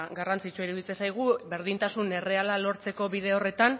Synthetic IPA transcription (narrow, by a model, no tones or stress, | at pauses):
ɡarant͡sit͡suiɾuðit͡sesajɣ̞ube̞ɾðint̪asune̞re̞alalo̞ɾt͡se̞ko̞βiðe̞o̞re̞t̪an